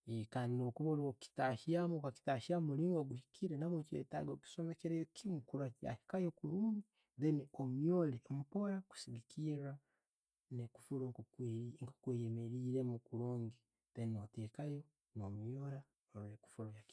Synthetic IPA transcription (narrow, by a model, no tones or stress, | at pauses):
ekaːndinokuβoɾoki̥taʃiamukaki̥taːʃiamuliːŋɡoɡuhikʰiɾenaβot͡ʃḛta̰ɡoki̥somekeɾejokʰimukuɾwaka̰hi̥kajokuɾuːŋɡi | ðeniomjolemupoɾaku̥siɡikʰiɾa | neku̥fuɾoŋkokŋko̥kwejemeɾiːɾemukuɾuːŋɡi | ðeninotekajo | nomjoɾa | oɾeku̥fuɾojak